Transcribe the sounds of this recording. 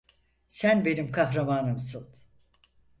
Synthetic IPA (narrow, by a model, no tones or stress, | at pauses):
sænbe̞nimkʰaɦɾamaːnɯmsɯ